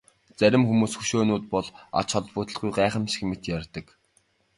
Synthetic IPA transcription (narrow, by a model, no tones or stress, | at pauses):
t͡sæɾʲɪ̆mxumuːsxuʃoːnʊːt̪̚pɔɮa̰t͡ɕχɔɮpʊːt̪ə̆ɮɡujɢæːχə̆mʃi̥xmet̪jarʲt̪ə̆k